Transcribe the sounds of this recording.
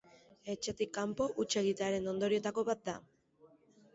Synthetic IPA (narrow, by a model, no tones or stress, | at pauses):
e̞t͡ʃe̞t̪ikːampo̞ʔut͡ʃe̞ɣit̪eaɾe̞no̞nd̪o̞ɾie̞t̪ako̞βat̪̚d̪a̰